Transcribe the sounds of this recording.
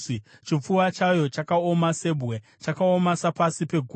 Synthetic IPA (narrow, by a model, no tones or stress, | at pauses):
t͡ʃip͡fuwat͡ʃajo̞t͡ʃakao̞mase̞bʱɣe | t͡ʃakaomasapasipe̞ɡʱu